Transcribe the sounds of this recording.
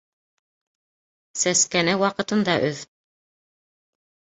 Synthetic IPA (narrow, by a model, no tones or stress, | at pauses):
sæskænæwɑqɤ̆t̪ɤ̆nd̪ɑʔɵð